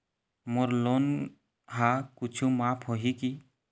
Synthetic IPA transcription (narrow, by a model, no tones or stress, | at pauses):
moɾlon | ɦakʊt͡ʃʰumaːpʰɦoɦiki